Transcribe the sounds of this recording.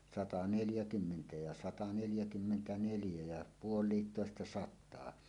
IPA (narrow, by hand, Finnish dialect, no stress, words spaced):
sɑtɑ neljækymːentæ jɑ sɑtɑ neljækymːentæneljæ jæ puolˑiːtːoˑestɑ sɑtˑɑː